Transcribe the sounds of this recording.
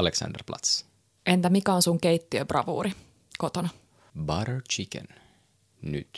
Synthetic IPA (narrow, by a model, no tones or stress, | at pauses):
leksɑ̰nd̪ərplɑ̰t̪s | ʔent̪æmikæonsuŋkeit̪ːiøbrʔɑ̰ʋṵːɾi | kot̪onɑ | bɑɾət͡ʃikə̰n | ny̰t̪